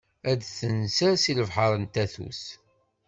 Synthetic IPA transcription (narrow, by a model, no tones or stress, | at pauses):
æd̪θənsæsiləvħəɾˤənt̪æθṵs